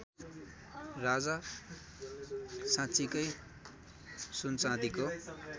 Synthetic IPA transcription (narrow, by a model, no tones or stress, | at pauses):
rad͡za | sãt͡sikʌj | sunt͡sãd̪iko